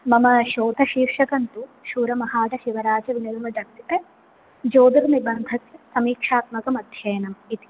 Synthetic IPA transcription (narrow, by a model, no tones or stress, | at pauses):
mɐmɐʃoːt̪ɐʃiːɾʂɐkɐnt̪uʃuːɾɐmɐɦaːʈɐʃiʋɐɾaːd͡ʒɐʋinɐlɐmɐd͡ʒ̪ɐk̚t̪it̪ɐ | d͡ʒoːd̪ɐɾunibɐnd̪ʱɐt̪jɐsɐmiːkʂaːt̪mɐkɐmɐd̪ʱjɐːjɐnɐmit̪i̥